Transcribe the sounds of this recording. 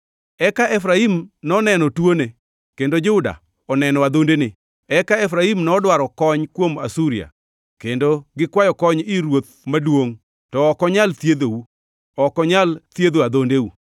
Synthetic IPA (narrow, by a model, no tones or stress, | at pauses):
ɛkaʔɛfɾaimnɔnɛnɔtwone | kendod͡ʒʊda̰ | ɔnɛnɔad̪ondenɪ | ɛkaɛfɾaimnɔdwaɾɔkɔɲkwoma̰suɾia̰ | kendoɡɪkwajɔkɔɲɪɾwot̪̚ | madwoŋ | tɔːkɔɲalt̪jed̪owu | ɔkɔɲalt̪jed̪oad̪ondewu